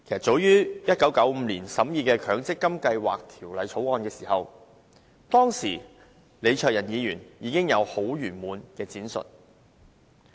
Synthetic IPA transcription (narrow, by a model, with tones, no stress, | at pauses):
kʰe˨˩jsɐ˨˩tt͡so˨˥wjyː˥jɐ˥t̚kɐ˨˥wkɐ˨˥wm̩ː˨˧liː˨˩nsɐ˨˥mjiː˨˧kɛː˧kʰœː˨˧ŋt͡sɪ˥kːɐ˥mkɐ˧jwa̰ː˨˩k̚t̪ʰiː˨˩wlɐ˨˧jt͡ʃʰo˨˥wɔː˧nkɛː˧siː˨˩hɐ˨w | t̪ɔː˥ŋsiː˨˩ | le˨˧jt͡ʃʰœː˨k̚jɐ˨˩njiː˨˧jyː˨˩njiː˨˧kɪ˥ŋjɐ˨˧who˨˥wjyː˨˩nmuː˨˧nkɛː˧t͡siː˨˥nsɵ̰˨t̚